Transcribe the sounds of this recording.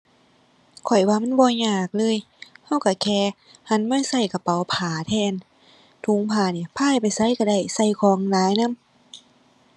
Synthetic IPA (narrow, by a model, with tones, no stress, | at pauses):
kʰɔ˨˩jwaː˧˦ma˧˥˨nbɔː˧˦jɲaː˧˩k̚lɤː˧˥˨j | ha˧˩wka˧˩kʰɛː˧˩ | ha˧˥˨nmaː˧˥˨jsa˧˩jka˧˩pa˨˩wpʰaː˨˩˦t̪ʰɛː˧˩˨n | t̪ʰu˧˦ŋpʰaː˧˩niː˧˩pʰaː˧˥˨jpa˨jsa˧˥˨jka˧˩da˧˩jsa˧˩jkʰɔː˧˦ŋlaː˨˦jna˧˥˨m